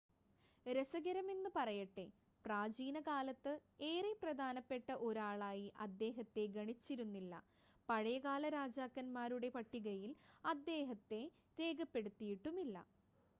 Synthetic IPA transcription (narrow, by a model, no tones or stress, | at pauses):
ɾɐsɐɡɐɾɐmenːɨpɐrɐjɐʈːe̞ | praːd͡ʑiːnɐkaːlɐt̪ːɨeːreprɐd̪ʱaːnɐpːe̞ʈːɐʔo̞ɾaːɭaːjiʔɐd̪ːe̞ːɦɐt̪ːe̞ɡɐɳit͡ɕːiɾunːilːɐ̰ | pɐɻɐjɐɣaːlɐɾaːd͡ʑaːkːɐnmaːɾuɽe̞pɐʈːiɣɐjilɐd̪ːe̞ːɦɐt̪ːe̞ | ɾe̞ːɡɐpːe̞ɽut̪ːijiʈːumilːɐ̰